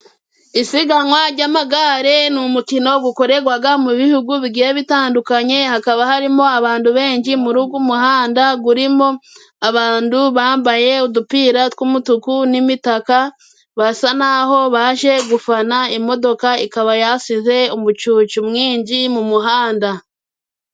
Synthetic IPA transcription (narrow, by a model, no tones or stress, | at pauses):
isiɡaŋwaɟamaɡaɾe̞numukino̞ɡuko̞ɾe̞ɡwaɡamuβihuɡuβiɡiɾeβitaːndukaɲe̞hakaβahaɾimo̞aβaːnduβe̞ːɲɟimuɾuɡumuhaːndaɡuɾimo̞ | aβaːnduβaːmbaje̞udupiːɾatkumutukunimitaka | βasanaɦo̞βaʒe̞ɡufanaimo̞do̞kaikaβajasize̞omut͡ʃuːt͡ʃumŋiːɲɟimumuɦaːnda